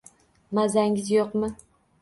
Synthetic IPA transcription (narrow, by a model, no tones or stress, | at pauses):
mazaŋʲɪzjoqmɨ